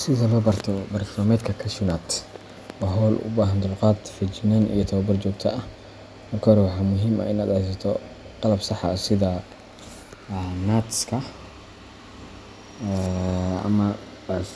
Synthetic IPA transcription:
sɪðɐlɔːbɐrt̪ʰɔbɐrt̪ɔːmɛːd̪kʰɐkʰɐʃʊnat̪ | wɑɦɔːlʔʊ̰baːɦɐnd̪ʊlqɑːd̪fɪt͡ʃɪnɐnʔḭjɔt̪ʰɐwɐbɐrt͡ʃɔːkt̪ʰɐ̰ʔɐh | mɐrkʰɐɾɛwɑħɑːmʊɦiːmɐ̰ʔɪnaːd̪hɛjs̬ɐt̪ʰɔ | qɑlɐbsɑħɐ̰sɪðɐ | naːt̪skʰɐ | ɐ̰mɐ

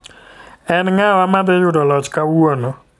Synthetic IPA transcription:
ɛnŋawamad̪ɪjʊdɔlɔt͡ʃkawwonɔ

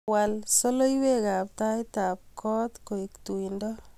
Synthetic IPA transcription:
walsolojwekap̚tajtap̚kʰɔːt̪koiktuindɔ

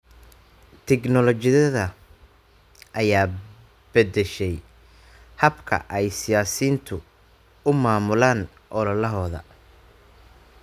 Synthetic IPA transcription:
t̪ʰɛknɔlɔt͡ʃɪðɐðɐ | ʔɐjaː | b̥ɛd̪ɛʃɛj | hɐbkʰɐ̰ʔɛjsɪjaːsiːnt̪ʰʊ | ʊmaːmʊlaːn | ʔɔlɔlɐɦɔːðɐ̰

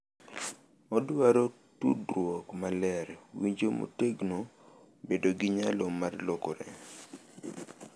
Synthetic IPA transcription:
ɔdwaɾo | tṵdɾwɔkmalɛɾwiɲd͡ʒomo̰teɡno | bedoɡɪɲalomarlokoɾɛ̰

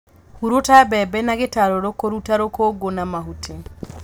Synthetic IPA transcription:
huɾotabɛbɛnaɣetaɾoɾokoɾutaɾokoɡonamaɦutʰe

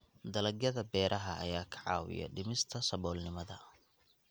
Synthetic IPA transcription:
d̪ɐlɐɡjɐðɐbɛːɾʔɐɦɐʔːjaːkʰɐ̥ʕɑ̰ːwɪ̰jɐ̰ɖɪmɪst̪ʰɐsɐβɔːlnɪmɐðɐ

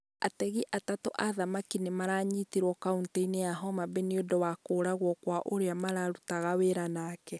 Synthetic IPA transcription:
a̰tɛɣiʔatatoʔaðamakinemaɾaːɲiteɾwɔkaunteineaɦɔmabeniodɔwakoːɾaɣwɔkwaʔoɾeamaɾaɾutaɣaweɾanaːkɛ

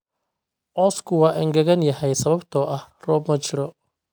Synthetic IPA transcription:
ʔɔːskʰʊwɑːʔɪŋɡɐɣɐnjɐhɛjsɐβɐbt̪ʰɔʔɐhrɔːbmɐt͡ʃɪɾɔ

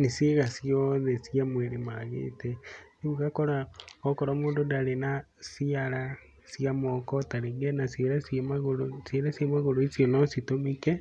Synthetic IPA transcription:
nesjeɣasiɔðɛsiamwɛɾemaɣḛtɛneuɣakɔɾaɔkɔɾamoːndondaɾena | siaɾa | siamɔkɔtaɾeŋɡɛnasieɾasmaɣoɾosjeɾasjamaɣoɾoesiɔnɔsitomekɛ

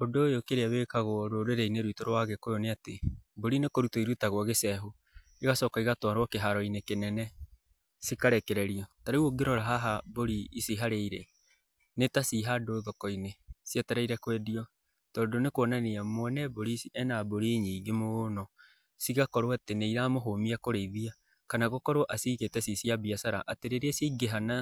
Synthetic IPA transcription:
ondojokeɾeaβekaɣwɔɾoɾeɾɛineɾwitoɾwaɣɛkojoneateboɾinekoɾutoiɾutaɣwɔɣesɛɦo | iɣasɔːkaiɣatwaɾwɔkeɦaɾɔinekenɛnɛ | sikaɾɛkɛɾɛɾiɔtaɾaoɡeɾɔɾaɦaɦaboɾiːsiɦaɾeiɾɛ | netasiɦadoðɔkɔinesijataɾaiɾɛkwɛdiɔ | tɔːndonekwɔnaneamwɛnɛboɾisiʔɛnaboɾiɲiːɡemonɔ | siɣakɔɾoateneiɾamoɦomiakoɾeðia | kanaɣokɔɾoʔasiɣetɛsisiabiasaɾa̰ʔateɾeɾeɛsiɡeɦana

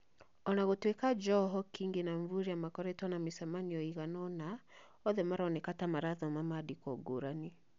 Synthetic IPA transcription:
ɔnaɣotwekad͡ʒɔɦɔkiːŋɡenaɱvuɾeamakɔɾɛtɔnamesɛmaniɔiɣanɔna | ɔðɛmaɾaɔnɛkatamaɾaðɔmamadikɔɡoɾani

